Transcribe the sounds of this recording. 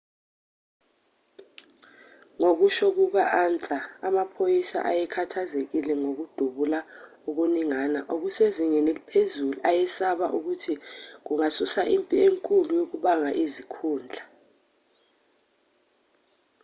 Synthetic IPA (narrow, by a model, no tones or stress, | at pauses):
ŋok̬uʃok̬uɓaʔaːnt͡sʼaamapʰojisa̰ʔajɛkʰatʰazek̬ilɛŋok̬ud̥ʱuɓulauk̬uniŋanaʔok̬useziŋɛnelipʰezuluʔajɛsaɓaʔuk̬utʰik̬uŋasusaʔimpʼieŋkʼulujok̬uɓaŋaʔizikʰuːnd͡ɮʱa